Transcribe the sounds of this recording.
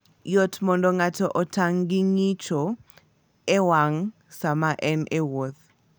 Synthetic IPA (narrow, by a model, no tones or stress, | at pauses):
jɔtmɔndɔŋatɔʔɔtʰaŋɡɪŋit͡ʃo | ɛwaŋ | samaʔɛnʔewot̪